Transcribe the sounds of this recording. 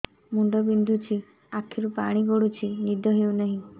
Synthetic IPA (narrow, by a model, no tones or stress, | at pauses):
muɳɖɔbind̪ʱut͡ʃʰi | akʰːiɾupaɽ̃iɡoɽut͡ʃʰinid̪ʱɔɦewnaɦĩ